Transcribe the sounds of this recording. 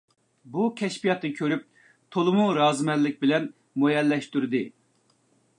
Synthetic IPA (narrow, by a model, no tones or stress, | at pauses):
bukʲʰɛʃpijɑt̪ːɨkʲʰøɾyp̚ | t̪ʰolˠʊmuɾɑːzmɛlːɪk̚ʲbɪlɛn | mojɛlːɛʃt̪yɾɪd̪ɪ